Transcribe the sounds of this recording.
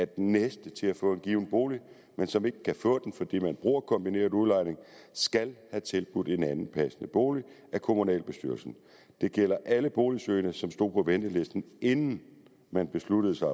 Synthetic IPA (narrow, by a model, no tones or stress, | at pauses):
æɐd̥ennːesd̥ət͡sʰe̝læfɔ̰̽ːe̝nɡ̥iːʊn̩b̥o̝ːli | mensɒ̽me̝ɡ̥əkʰæfɔ̰̽ːd̥en̩fɒ̽d̥ḭːmænb̥ʁṵɐkʰɒ̽mb̥ine̝̰ːɐuðˠlɑ̈ɪne̝ŋsɡ̥ælhæt͡sʰe̝lb̥ud̥e̝nænn̩pʰæsnəb̥o̝̰ːli | ækʰo̝munɛ̰ːlb̥e̝sd̥y̰ɐlsn̩ | d̥e̝ɡ̥jel̰ɐʔæləb̥o̝ːlisøːnəsɒ̽msd̥o̝̰ːpʰɒ̽ʋend̥əle̝sd̥n̩e̝nn̩ | mænb̥e̝slud̥əð̩ˠsɑ̈ɪ